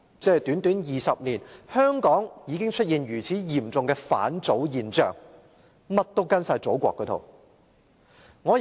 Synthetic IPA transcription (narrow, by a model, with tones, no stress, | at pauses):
t͡sɛː˥˩t̪yː˨˥nt̪yː˨˥njiː˨˩sɐ˨p̚niː˨˩nhœː˥ŋkɔː˨˥ŋjiː˨˧kɪ˥ŋt͡ʃʰɵ˥t̚jiː˨˧njyː˨˩t͡sʰiː˨˥jiː˨˩mt͡sʊ˨ŋkɛː˧fa̰ː˨˥nt͡so˨˥wjiː˨nt͡ʃœ̰ː˨˩ŋ | mɐ˥t̚t̪o˥wkɐ˥nsaː˧jt͡so˨˥wkʷɔ̰ː˧kːə˧t̪ʰo̰˨˩w | ŋɔː˨˧